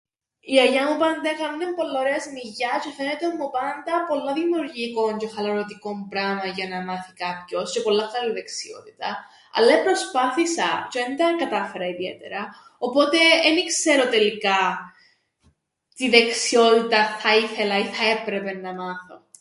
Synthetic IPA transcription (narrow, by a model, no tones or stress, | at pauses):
iɐʝɐmupɐnd̪ɐkɐnunempo̞lːaoɾeɐzmiʝɐcefenet̪eomːupɐnd̪ɐpo̞lːɐðimjuuɾʝiko̞nce̞xɐlɐɾot̪iko̞mpɾamɐʝɐnɐmɐθikɐpço̞sce̞po̞lːɐkːɐluðe̞ksio̞̰t̪i̥t̪ɐ | ɐ̰lːɐipɾospɐθisɐcend̪ɐkɐt̪ɐfe̞ɾɐiðiḛt̪e̞̰ɾɐ | opo̞t̪e̞enikse̞ɾot̪e̞lːikɐ | t̪iðe̞ksio̞t̪it̪ɐθɐiθe̞lɐiθɐe̞pɾepe̞nːɐmaθo̞